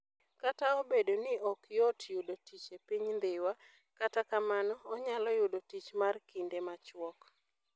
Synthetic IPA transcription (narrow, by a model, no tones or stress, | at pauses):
kataɔbedonɪɔkjotjʊdotit͡ʃepiɲnd̪ɪwa | katakamanɔːɲalɔjʊdotit͡ʃmarkindemat͡ʃwɔk